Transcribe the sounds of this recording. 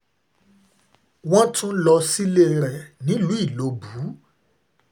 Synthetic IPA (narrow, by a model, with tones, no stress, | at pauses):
w̃ɔ̃˦tũ˦lɔ˧si˦le˦˨ɾɛ˨nĩ˨˦lu˨˦i˦˨lo˨˧bu˨˦